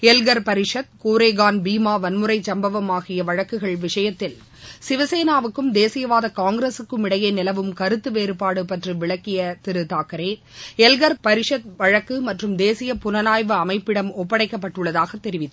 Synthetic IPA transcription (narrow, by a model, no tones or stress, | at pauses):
ɛlɡɐɾpɐɾɪʂɐt̪̚kuːɾeːɣaːnbiːmaːʋɐnmɯɾɐɪt͡ʃɐmbɐʋɐmaːɣɪjɐʋɐɻɐkːɯɣɐɭʋɪʂɐjɐt̪ːɪl | sɪʋɐseːnaːʋɯkːɯmd̪eːsɪjɐʋaːðɐkaːŋɡɾesɯkːɯmɪɽɐjeːnɪlɐʋɯmkɐɾɯt̪ːɯʋeːɾɯpaːɽɯpɐʈriʋɪɭɐkːɪjɐt̪ɪɾɯt̪aːkɐɾeː | ɛlɡɐɾpɐɾɪʂɐt̪̚ʋɐɻɐkːɯmɐʈrɯmd̪eːsɪjɐpʊnɐnaːjʋɯɐmɐɪpːɪɽɐmɔpːɐɽɐɪkːɐpːɐʈːɯɭːɐðaːɣɐt̪ːɛɾɪʋɪt̪ː